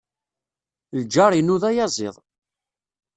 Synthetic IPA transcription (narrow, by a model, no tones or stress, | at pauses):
ld͡ʒɑɾˤinuðæjɑzˤɪ̰ðˤ